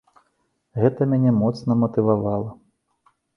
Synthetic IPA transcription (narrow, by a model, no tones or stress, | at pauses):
ɣɛt̪ɐmʲanʲɛmɔt̪snɐmɐt̪ɨvavalˠɐ